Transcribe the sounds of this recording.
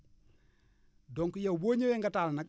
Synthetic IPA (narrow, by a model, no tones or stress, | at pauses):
dɔŋkujawboːɲeweŋɡatalnak